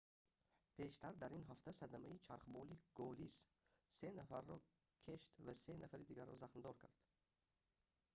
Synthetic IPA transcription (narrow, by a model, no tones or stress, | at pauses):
pʰe̞ʃt̪ʰaɾd̪aɾinɦaft̪ʰasad̪amait͡ʃʰaɾχbɔliɡ̥ɔlis | se̞nafaɾːɔ | kʰeʃt̪vasenafaɾid̪iɡaɾːɔ̰zaχnd̪ɔɾkʰaɾd̪̥